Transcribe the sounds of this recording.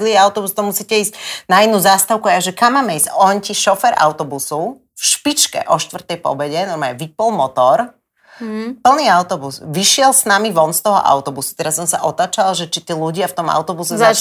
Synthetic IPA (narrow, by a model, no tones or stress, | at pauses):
liɛaʊt̪ɔbust̪ɔmusiːcɛiːscnainːuːzast̪aʊkuajaʒɛkamːaːmɛiscɔnciʃɔfɛɾʔa̰ʊt̪ɔbusu | fʃpit͡ʃkɛ̰ʔɔʃt̪ʋrt̪ɛjpɔ̰bɛɟɛnɔɾmaːɛʋipɔlˠmɔt̪ɔɾ | pl̩niːaʊt̪ɔbusʋiʃɪɛlsnamiʋɔnst̪ɔɦɔ̰ʔa̰ʊt̪ɔbusu̥t̪ɛɾasːɔmsaʔɔt̪aːt͡ʃalaʒɛt͡ʃit̪iːluɟɪaft̪ɔma̰ʊt̪ɔbusɛza